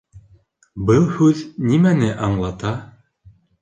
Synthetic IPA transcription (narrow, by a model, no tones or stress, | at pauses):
bɤlˠhʉðnimænɘʔɑɴlˠɑt̪ɑ